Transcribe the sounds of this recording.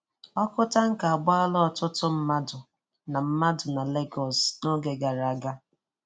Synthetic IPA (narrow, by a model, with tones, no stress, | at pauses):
ɔ˦kʊ˦ta˦ŋ̩˦ka˨a˨ɡ͡bʊ˦a˦lɔ˦ɔ˦˨tʊ˦tʊ˦m̩˦ma˦dʊ˨ | na˨m̩˦ma˦dʊ˨na˨le˦ɡɔ˨sno˦ɡe˨ɡa˨ɾa˦ɡa˦